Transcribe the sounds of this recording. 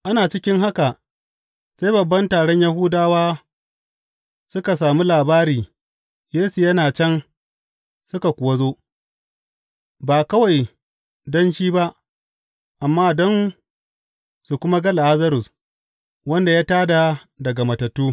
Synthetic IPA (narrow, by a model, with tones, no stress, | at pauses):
ʔa˦naː˨t͡ʃɪ˦kʲɪ˦ŋɦa˦ka˨ | sa˦jbɐ˨bːɐ˦ntaː˨ɽɔ˦ɲja˦ɦʊː˦daː˦waː˦ | sʊ˦ka˨s̬aː˨mu˦laː˨baː˦ɾiː˨ | jeː˦su˨jɐ˦naː˨t͡ʃɛ˦n | sʊ˦ka˨kʷʊ˨wɐ˦zoː˦ | baː˨kɐ˦wa˨j | dɔ˦nʃiː˦ba˦ʔ | ʔa˨mːaː˦dɔ˦n | su˨kʷʊ˦ma˦ɡɐ˦la˨ʔa˦zɐ˦ɾʊ˨s | wɐ˦nda˨jaː˦taː˦da˨ | dɐ˨ɡa˨mɐ˨tɐ˨tːuː˦